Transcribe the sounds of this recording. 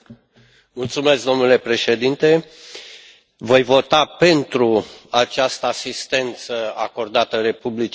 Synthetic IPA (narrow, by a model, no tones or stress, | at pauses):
mult̪sume̞skd̪o̞mnule̞pɾe̞ʃe̞d̪int̪e̞ | vo̞jvo̞t̪ape̞nt̪ɾuat͡ʃast̪əasist̪e̞nt̪səako̞rd̪at̪əɾe̞publit͡ʃ